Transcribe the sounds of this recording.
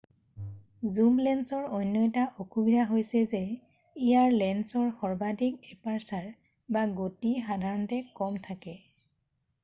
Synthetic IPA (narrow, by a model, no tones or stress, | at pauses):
zumlɛnsɔɹojnːɔjtaʔokubidʱaɦojsɛzɛ | ijaɹlɛnsɔɹxɔɹbadikɛpaɹsaɹ | baɡotixadʱaɹɔntɛkɔmtʰakɛ